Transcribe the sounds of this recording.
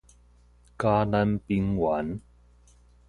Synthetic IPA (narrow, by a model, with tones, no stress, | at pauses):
kaː˦na˦˧npi˧ŋwa˨˦n